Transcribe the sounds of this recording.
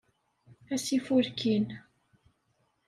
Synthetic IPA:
æsifuɾkʰin

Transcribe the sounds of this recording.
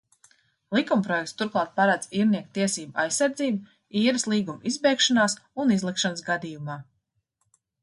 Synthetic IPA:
lˠikumpɾɔjɛk̚t̪st̪uɾklˠɑːt̪̚paɾad̪z̥iːɾniɛk̚t̪iɛsiːbua̰jsːaɾd̪ziːb | iːɾɨslˠiːɡumizbɛjkʃanaːsunizlˠikʃanəsɡad̪iːjumaː

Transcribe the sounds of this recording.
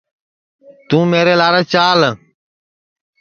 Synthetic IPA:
t̪ũːmeːɾeːlaːɾeːt͡ʃaːl

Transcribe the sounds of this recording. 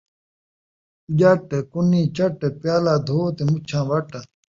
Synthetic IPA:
d͡ʒɐʈkuniːt͡ɕɐʈepjaːlaːd̪ʱoːt̪emut͡ɕʰãːʋɐʈɐ

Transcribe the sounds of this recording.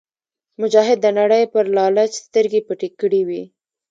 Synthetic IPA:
mʊd͡ʒɑɦɪd̪ːənaɽəjpəɾlɑlat͡ʃst̪əɾɡepəʈikəɽiwi

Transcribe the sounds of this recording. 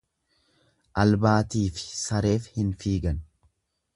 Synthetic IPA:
ʔɐlbaːt̪iːfɪ̥sɐɾe̞ːfhɪnfiːɡɐn

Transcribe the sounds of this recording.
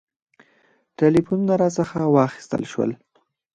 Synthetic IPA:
ʈelifununaɾɑsəxawɑxi̥st̪ə̰lʃwə̰l

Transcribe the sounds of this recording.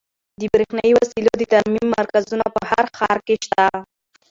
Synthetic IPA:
d̪əbɾexnajiwasilod̪ət̪aɾmimːaɾkazunapəhaɾxɑɾkeʃt̪a

